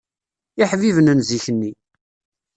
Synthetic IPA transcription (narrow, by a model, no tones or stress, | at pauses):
iħvivənənziçənːi